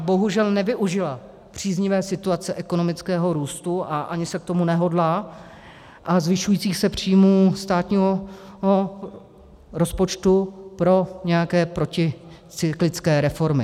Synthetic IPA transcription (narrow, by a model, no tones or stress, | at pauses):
bo̞ɦuʒɛlnɛvɪʔuʒɪla | pr̝̥iːzɲɪvɛːsɪt̪uat͡sɛʔɛko̞no̞mɪt͡skɛːɦo̞ɾuːst̪uʔaʔa̰ɲɪsɛk̚t̪o̞munɛɦo̞dlaː | ʔazvɪʃujiːt͡siːxsɛpr̝̥iːjmuːst̪aːt̪ɲiːɦoɦo | ɾo̞spo̞t͡ʃt̪upɾo̞ɲɛjakɛːpɾo̞cɪ | t͡sɪklɪt͡skɛːɾɛfo̞ɾmɪ